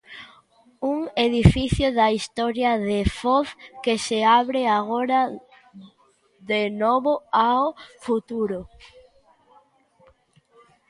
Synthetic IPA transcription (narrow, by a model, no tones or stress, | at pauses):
uŋeðifiθjʊðaist̪ɔɾjaðefɔθkeseaβɾeaɣoɾa | ðenɔβʊawfut̪uɾʊ